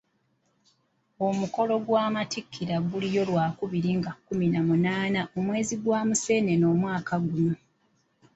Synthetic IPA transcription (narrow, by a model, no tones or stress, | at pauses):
o̞muko̞lo̞ɡwaːmatikʰːiɾaɡulijo̞lwaːkuβiɾiŋɡakuminamunaːnaʔo̞mwe̞ːziɡwaːmuse̞ːne̞no̞ːmwaːkaɡunu